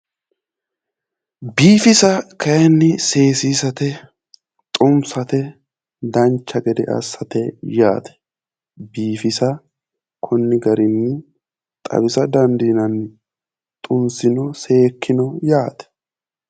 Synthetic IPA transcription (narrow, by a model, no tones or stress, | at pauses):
biːfɪsɐkʰɐjɛnːɪse̞ːsiːsɐt̪ɛ | t̪ʼʊmsɐt̪ɛ | d̪ɐnt͡ʃːɐɡɛd̪ɛʔɐ̰sːɐt̪ɛjaːt̪ʰɛ̥ | biːfɪsɐ | kʰʊnːɪɡɐɾɪnːɪ | t̪ʼɐ̰bɪsɐd̪ɐnd̪iːnɐn | t̪ʼʊmsɪnɔse̞ːkʰːɪnɔjaːt̪ɛ̥